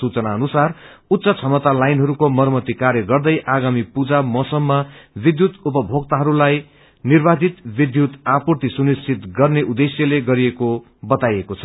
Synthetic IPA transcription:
sut͡sʌnaʌnusar | ut̪ːsʌt͡sʰʌmʌt̪alajnɦʌɾukomʌɾmʌt̪ikarjʌɡʌrd̪ʌjʔaɡamipud͡zamʌsʌmːʌbid̪jut̪upʌbʱoɡt̪aɦʌɾulaj | nirbad͡zit̪bid̪jut̪apurt̪isunist͡sʰit̪ɡʌrneʔud̪esjʌleɡʌɾieko | bʌt̪ajekot͡sʰʌ̥

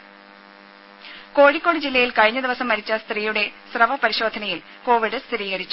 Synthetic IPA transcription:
ko̞ːɻikʲːoːɽɨd͡ʑilːɐjilkɐɻiɲːɐd̪iʋɐsɐmːɐɾit͡ɕːɐst̪riːjuɽe̞srɐʋɐpɐɾiɕo̞ːd̪ʱɐnɐjil | ko̞ːʋiɽɨst̪ɾiːɣɐɾit͡ɕːu

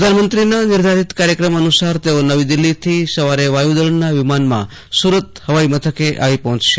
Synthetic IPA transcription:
ɾəd̪ʱanmənt̪ɾinanɪɾd̪ʱaɾit̪kaɾjəkɾəmənusaɾt̪eonəʋid̪ɪlːit̪ʰisəʋaɾeʋajud̪əɭɳnaʋɪmanmã̰ | suɾət̪həʋaimət̪ʰəkeʔa̰ʋipɔɦɔ̃t͡ʃʃe

